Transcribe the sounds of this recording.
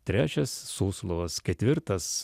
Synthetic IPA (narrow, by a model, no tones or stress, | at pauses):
t̪ʲɾʲæːt͡ʃʲɛsːuːslˠoʋɐskʲɛt̪ʲʋʲɪɾt̪ɐs